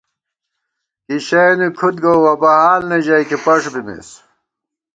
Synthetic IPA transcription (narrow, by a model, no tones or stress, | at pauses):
kiɕɐjnikʰut̪̚ɡowwɐbɐɦaːlneʑɐjkipɐʂbimḛs